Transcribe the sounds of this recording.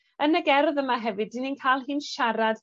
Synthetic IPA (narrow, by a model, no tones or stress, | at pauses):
ənəɡɛrðəmaɦɛvɨdininkʰajlˠɦɨːnʃaɾad̥